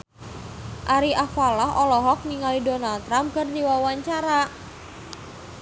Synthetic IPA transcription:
ʔaɾiʔafalaɦɔlɔɦɔk̚niŋalidonalt̪ɾamp̚kərd̪iwawaɲt͡ʃaɾa

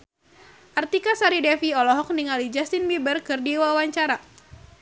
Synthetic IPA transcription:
ʔart̪ikasaɾidɛfiɔlɔɦɔk̚niŋalid͡ʒast̪inmibərkɨrdiwawaɲt͡ʃaɾa

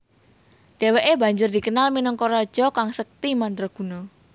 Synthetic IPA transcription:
d̥e̤weʔebä̤ɲd͡ʒʊrd̥i̤kənalminəŋkoɾad̥ʒ̥ɔkaŋsək̚t̪imant̪ɾɔɡ̥ṳnɔ

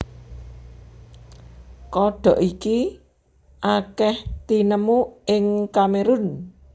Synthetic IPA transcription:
kɔɖ̪̥ɔ̤ʔiki | ʔakɛht̪inəmuʔɪŋkameɾʊn

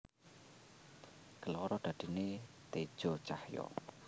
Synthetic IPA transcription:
ɡ̥əlɔɾɔd̪̥ä̤d̪̥i̤net̪ed̥ʒ̥ɔ̤t͡ʃahjɔ̰

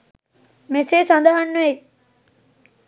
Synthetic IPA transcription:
meseːsand̪ɐɦɐnːue

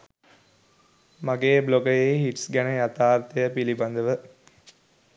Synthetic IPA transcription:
maɡeːbloɡəjejhiʈsɡænəjat̪aːɾt̪əjəpiliband̪əʋə

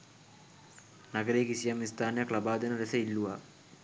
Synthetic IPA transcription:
nɐɡɐɾeːkisijɐmist̪ʰaːnjɐkɭɐbaːd̪ɐnɐɾesɐilːuʋa

